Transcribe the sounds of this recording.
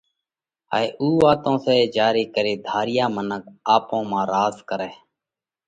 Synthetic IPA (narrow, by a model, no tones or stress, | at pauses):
a̰ːeːʔuːʋaːt̪õːseːd͡ʒaːɾiːkəɾeːd̪ʱaːɾɪjaːmənək̚aːpõːmãːɾaːzkəɾɛː